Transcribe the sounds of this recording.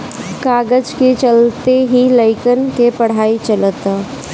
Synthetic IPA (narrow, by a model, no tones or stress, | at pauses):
kaːɡəd͡ʒket͡ʃəlt̪eɦiləɪkənkepɐɽ̤aːit͡ʃələt̪